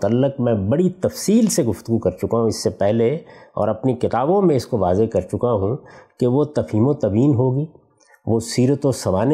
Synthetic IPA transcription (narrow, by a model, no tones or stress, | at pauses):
t̪ɐlːəq̚mɛ̃bɐɽit̪ɐfsiːlseɡʊft̪ʊɡukɐɾt͡ʃʊkaɦũɪsːepɛɦleɔ̰ːɾɐpnikɪt̪aːbõmẽɪskoʋaːzekɐɾt͡ʃʊkaɦũkeʋot̪ɐfiːmõt̪ɐbiːnɦoːɡiː | ʋosiːɾət̪õsɐʋaːne